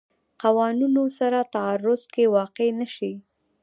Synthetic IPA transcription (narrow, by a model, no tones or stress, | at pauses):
qawɑnunosaɾat̪aaɾʊzkewɑqenaʃi